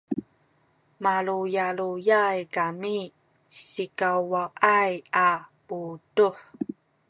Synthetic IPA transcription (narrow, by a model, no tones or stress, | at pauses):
maɭujalujajkami | ɕikawwaʔajaputuħ